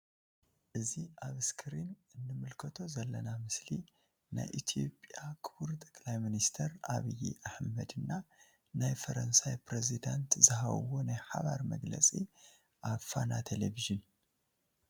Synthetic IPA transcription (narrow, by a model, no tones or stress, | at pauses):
ʔɨziʔaβɨskʰɾinʔɨnːɨmɨlkʰɐt̪ʰo̞zɐlːɐnamɨsli | na̰jʔit̪ʰijo̞pʼjakʰɨβuɾt̪ʼɐkʼlajminist̪ʰɐɾʔaβijḭʔaħmɐd̪ɨnːa | najfɐɾɐnsajpɾezid̪ant̪zɨɦa̰wonajħaβaɾmɐɡlɐ̰t͡sʼi | ʔaβfanat̪ʰeleviʒɨn